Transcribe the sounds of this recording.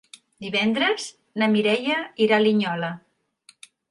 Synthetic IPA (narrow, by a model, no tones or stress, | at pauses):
d̪iβɛnd̪ɾəz | nəmiɾɛjəiɾaliɲɔlə